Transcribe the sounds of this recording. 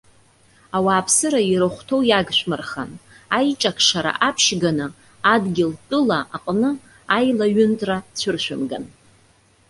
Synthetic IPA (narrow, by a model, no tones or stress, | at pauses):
awaːpʰsɨɾaiɾɨχʷtʰo̞wjaɡʃʷᶣmarχa̰n | ajʈ͡ʂʼakʰʂaɾa̰ʔapʰʃɡanɨ | adɡʲɪltʼɨlaʔaqʼnɨ | ajlaɥʏntʼrat͡ɕʷʰʊrʃʷᶣʊmɡa̰n